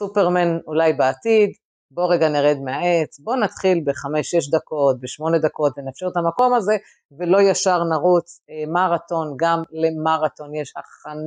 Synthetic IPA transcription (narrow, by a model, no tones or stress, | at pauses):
supeʁmanulajbeat̪id̪ | bo̞ʁe̞ɡaneʁed̪meaet͡sbo̞nat̪χilbeχame̞ʃeʃ̬d̪ako̞t̚beʃmo̞ne̞d̪ako̞tvenafʃeʁt̪amako̞maze̞ | velo̞jaʃaʁnaʁut͡smaʁat̪o̞nɡamle̞maʁat̪o̞njeʃaχan